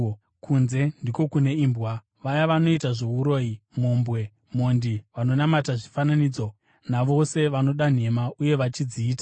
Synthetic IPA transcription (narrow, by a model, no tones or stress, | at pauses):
kʰunze̞ndiko̞kune̞iːmbwa | ʋajaʋano̞itaʐo̞uɾo̞imo̞mbwe̞ | mo̞ndiʋano̞namataʐifananiːd͡zo̞ | naʋo̞se̞ʋano̞ɗan̤e̞mauje̞ʋat͡ʃid͡ziːtḁ